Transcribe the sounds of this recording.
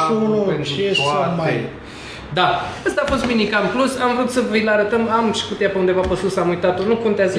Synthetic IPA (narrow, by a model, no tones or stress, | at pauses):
ooloet͡ʃefatmae | d̪aəst̪aːfo̞st̪minikaɨmplusamvɾut̪səvəjlaɾət̪əmamʃi̥kut̪ejapəund̪evapəsusamujt̪at̪onukont̪eazə